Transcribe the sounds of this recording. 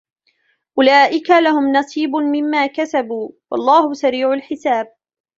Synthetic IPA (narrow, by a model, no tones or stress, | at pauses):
ʔʊlaːʔɪkalahʊmnɑsˤiːbʊmɪmːaːkasabuːwɑ̰lˤːɑːhʊsaɾiːʕʊlħɪsaːb̚